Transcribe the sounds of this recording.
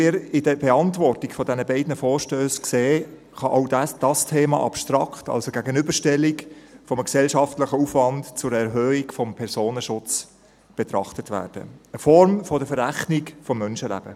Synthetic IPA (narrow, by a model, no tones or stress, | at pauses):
ɪːɾɪdəbeɑntvɔɾtɪkfɔdɛnəbɛɪdnəfɔːɾʃtøːskseː | χɑʔɑʊdd̥ɑstʰeːmɑ̰ʔɑpʃtɾɑkχtɑ̰lsoɡæɡənʏbəɾʃtɛlːikfɔmksɛlʃɑftlɪχəufʋɑntt͡sʊɾɛɾɦøːikfɔmpʰɛɾsoːnəʃʊt͡s | b̥ɛt̪ɾɑ̰χtətʋæ̰ːɾd̥ə̰əfɔɾmfɔdəfəɾæχnɪkfɔmːœnʃəlæ̰b̥ə